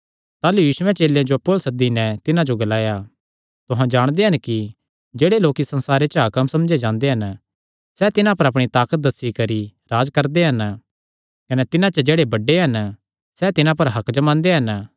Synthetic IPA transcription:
t̪aːlujuːsʊwɛ̃t͡ʃeːljãd͡ʒopoːlsɐd̪ːinɛt̪ɪnãd͡ʒoɡɐlaːja | t̪ʊɦãd͡ʒaːɽ̃d̪eɦɐnki | d͡ʒeːɽeloːkisɐ̃nsaːɾet͡ʃəɦɐkɐmsɐmd͡ʒed͡ʒãːnd̪eɦɐn | sɛt̪ɪnãpɐɾɐp̬ɽ̃it̪aːkət̪̚d̪ɐsːikɐɾiɾaːd͡ʒkɐɾd̪eɦɐn | kɐnɛt̪ɪnãt͡ʃɐd͡ʒeːɽebɐɖːeɦɐn | sɛt̪ɪnãpɐɾɦɐkd͡ʒɐmãːnd̪eɦɐn

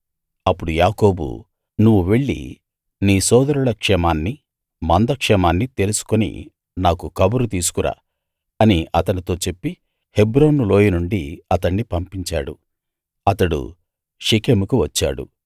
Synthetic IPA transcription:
ɐpːuɽujaːko̞ːbṵ | nuʋːuʋe̞ɭːḭ | niːsɔːd̪ɐɾuɭɐkʂɛmaːnːi | mɐnd̪ɐkʂɛmaːnːit̪e̞lusu̥kunḭ | naːkukɐbuɾut̪iːsu̥kuɾa̰ː | ɐniʔɐt̪ɐnit̪o̞ːt͡ʃe̞pːi | he̞bɾoːnːuloːjinuɳɖiɐt̪ɐɳːipɐmpiɲt͡ʃa̰ːɽṵ | ɐt̪ɐɽṵ | ʂikeːmukuʋɐt͡ʃːa̰ːɽṵ

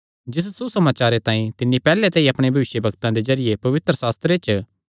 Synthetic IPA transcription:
d͡ʒɪs̬susɐmaːt͡ʃaːɾet̪ãːĩt̪ɪnːipɛːlẽt̪ɛ̃iɐpɽ̃ebʱɐʋɪʃjəbʱɐɡt̪ãd̪ezɐɾɪjepɐʋɪt̪ɾəsaːst̪ɾet͡ʃ

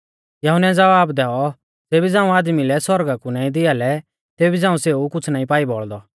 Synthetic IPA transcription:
jɐɦʊnɛd͡zɐʋaːbd̪ɛːɔ | d͡zeːbid͡zãːũaːd̪milɛsɔɾɡakunãːĩd̪ɪalɛ | t̪eːbid͡zãːũseːukʊt͡sʰnaːĩpaːibɔɭd̪ɔ

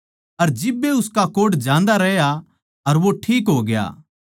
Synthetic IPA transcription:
ɐɾd͡ʒɪbːeʊskakoːɽd͡ʒãːnd̪aɾɛɦja | ɐɾʋoʈʰiːkɦoːɡɪja̰ː

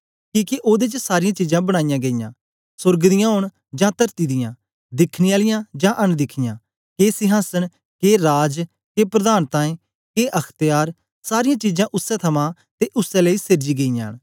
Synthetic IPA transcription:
kiːkeʔoːd̪eːt͡ʃsaːɾɪjãːt͡ʃiːd͡ʒãːbəɽ̃aːɪjãːɡeijã̰ː | sʊɾɡd̪ɪjãːɦʊɽ | d͡ʒãːt̪əɾt̪iːd̪ɪjãː | d̪ɪkʰniaːlɪjãːd͡ʒãːʔənd̪ɪkʰɪjãː | keːsɪɦaːsən | keːɾaːd͡ʒ | keːpɾəd̪aːnt̪ãːẽː | keːʔəkʰt̪jaːɾ | saːɾɪjãːt͡ʃiːd͡ʒãːʔʊsːɛt̪ʰəmãː | t̪eːʔʊsɛ̃ːləiːsɪɾd͡ʒiːɡeijãːn

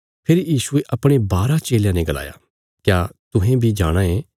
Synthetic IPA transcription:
pʰeːɾijiːsueʔɐpɽ̃ebaːɾat͡ʃeːljãnẽɡɐla̰ːja̰ | kjaːt̪ʊɦẽbʱid͡ʒaːɽ̃ãẽ

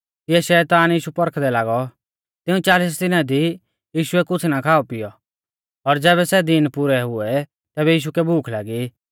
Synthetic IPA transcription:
ɪjɛʃɛːt̪aːnjiːʃupɔɾkʰd̪ɛlaːɡɔ | t̪ɪũt͡ʃaːliːs̬d̪ɪnãd̪i | jiːʃʊɛkʊt͡sʰnakʰaːɔpɪjɔ | ɔɾd͡zɛːβɛsɛd̪ɪnpʊɾɛɦʊɛ | t̪ɛːbɛjiːʃ̬ukɛbʱuːkʰlaːɡi

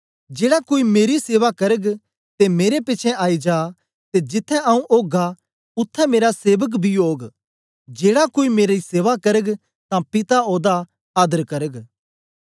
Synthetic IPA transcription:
d͡ʒeːɽakoːimeːɾiseːʋakɐɾəɡ | t̪emeːɾepɪt͡ʃʰɛ̃ʔaːid͡ʒaː | t̪ed͡ʒɪt̪ʰːɛaũʔoːɡa | ʊt̪ʰːɛmeːɾaseːʋək̬bʱioːɡ | d͡ʒeːɽakoːimeːɾiseːʋakɐɾəɡ | t̪ãpɪt̪aoːd̪a | aːd̪əɾkɐɾəɡ

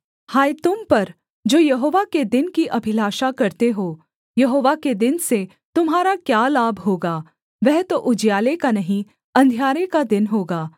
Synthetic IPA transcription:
haːjt̪ʊmpɐɾ | d͡ʒoːjɐɦoːʋaked̪ɪnkiʔɐbʱɪlaːʃakɐɾt̪eɦoː | jɐɦoːʋaked̪ɪnse | t̪ʊmɦaːɾakjaːlaːbʱɦoːɡaː | ʋɛɦt̪oʔʊd͡ʒjaːlekanɐɦĩ | ɐ̃nd̪ʱjaːɾekad̪ɪnɦoːɡaː

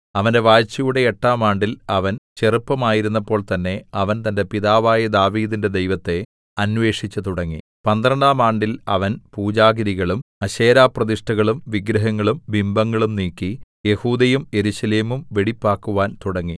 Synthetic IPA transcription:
ɐʋɐnde̞ʋaːjt͡ɕːɐjuɽe̞ːʈːaːmaːɳɖilɐʋɐnt͡ɕe̞rupːɐmaːjiɾun̪ːɐpːo̞ːɭt̪ɐnːe̞ɐʋɐnt̪ɐnde̞piðaːʋaːjɐd̪aːʋiːðinde̞d̪ejʋɐt̪ːe̞ | ɐnʋe̞ːʂit͡ɕːɐt̪uɽɐŋːi | pɐnd̪ɾɐɳɖaːmaːɳɖilɐʋɐnpuːd͡ʑaːɣɐɾiɣɐɭumɐɕe̞ːɾaːprɐðiʂʈɐɣɐɭumʋiɡɾɐɦɐŋːɐɭumʋimbɐŋːɐɭumniːkːije̞huːd̪ɐjumje̞ɾuɕɐleːmumʋeɽipːaːkːuʋaːnt̪uɽɐŋːi

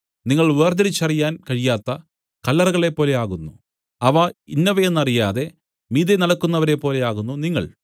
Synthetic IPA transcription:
niŋːɐɭʋeːrd̪ɐɾit͡ɕːɐrijaːnkɐɻijaːt̪ːɐ | kɐlːɐrɐɣɐɭe̞pːo̞ːle̞aːɣunːṵ | ɐʋɐinːɐʋɐjenːɐrijaːðe̞ | miːðenɐɽɐkːunːɐʋɐɾe̞pːo̞ːle̞aːɣunːuniŋːɐ̰ɭ

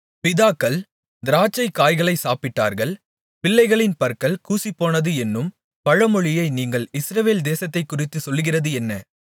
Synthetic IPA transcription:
pɪðaːkːɐɭ | d̪ɪɾaːt͡ʃːɐɪkːaːjɣɐɭɐɪsaːpɪʈːa̰ːɾɣɐɭ | pɪlːɐɪɣɐɭɪnpɐɾkɐɭkuːsipːoːnɐðɯɛnːɯm | pɐɻɐmɔɻɪjɐɪniːŋɡɐɭɪsɾɐʋeːld̪eːsɐt̪ːɐɪkːʊrɪt̪ːɯsɔlːɣɪrɐðɯɛnːɐ

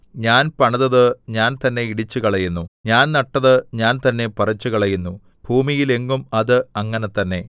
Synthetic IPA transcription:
ɲaːnpɐɳɐðɐðɨɲaːnt̪ɐnːe̞iɽit͡ɕːukɐɭɐjunːuɲaːnnɐʈːɐðɨɲaːnt̪ɐnːe̞pɐrɐt͡ɕːuɣɐɭɐjunːu | bʱuːmijile̞ŋɡumɐðɨɐŋːɐnet̪ɐnːe̞

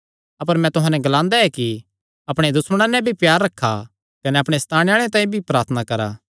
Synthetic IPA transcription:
ɐpəɾmɛ̃t̪ʊɦãːnɛɡɐlãːnd̪aɛki | ɐpɽ̃ed̪ʊsməɽ̃ãnɛ̃bʱipjaːɾːɐkʰːa̰ | kɐnɛɐpɽ̃est̪ʰaːɽ̃jaːɭ̃et̪ãːĩbʱipɾaːɾt̪ʰənakɐɾa̰ː

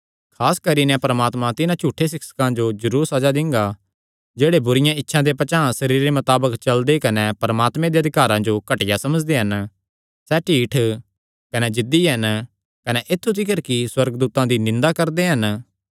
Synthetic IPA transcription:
kʰaːskɐɾinɛ̃pɐɾɐmaːt̪mãt̪ɪnãt͡ʃuːʈʰːes̬ɪksə̥kãd͡ʒod͡ʒɐɾuːɾsɐd͡ʒad̪ɪ̃ŋɡa | d͡ʒeːɽebʊɾɪjãɪtːʃʰãd̪epɐt͡ʃaːãsɐɾiːɾːemɐt̪aːbəkt͡ʃɐld̪ekɐnepɐɾəmaːt̪mẽd̪eɐd̪ʱɪkaːɾãd͡ʒokɐʈɪjasɐməd͡ʒd̪eɦɐn | sɛʈʰiːʈʰ | kɐnɛd͡ʒɪd̪iɦɐn | kɐnɛʔet̪ʰːut̪ʰɪkəɾkiswɐɾɡd̪uːt̪ãd̪inɪ̃nd̪akɐɾd̪eɦɐn

